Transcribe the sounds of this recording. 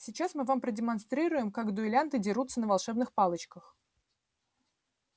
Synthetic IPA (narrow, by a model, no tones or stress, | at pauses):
sʲɪt͡ɕasmɨvampɾədʲɪmɐnst̪ɾʲiɾʊjɪmkaɡd̪ʊɪlʲant̪ɨdʲɪɾut̪sənəvalˠʂɛbnɨxpalˠət͡ɕkəx